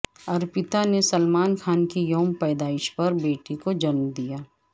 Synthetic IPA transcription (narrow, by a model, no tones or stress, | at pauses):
ɐɾpɪt̪anesɐlmaːnkʰaːnkijoːmpɛːd̪aːɪʃpɐɾbeːʈikod͡ʒɐnmd̪ijaː